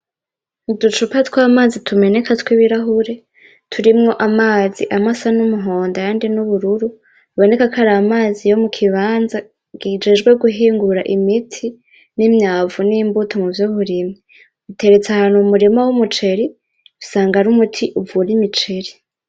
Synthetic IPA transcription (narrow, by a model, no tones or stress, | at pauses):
nudut͡ʃupatkwamaːzitʰume̞ne̞kʰatwiβiɾaɦuɾe̞ | tʰuɾimŋo̞ʔamaːziʔamasanumuɦo̞ːndajaːndinuβuɾuɾu | βo̞ne̞kakʰaɾaːmaːzijo̞mukʰiβaːnza | ɡ̥id͡ʒed͡ʒɡwe̞ɡuɦiːŋɡuɾaʔimitʰi | nimɲaːvunimbutʰomuvjohuɾimŋi | utʰe̞ɾe̞t͡sahaːnhumuɾimawumut͡ʃe̞ɾi | usaːŋɡaɾumutʰiʔuvuɾimit͡ʃe̞ɾi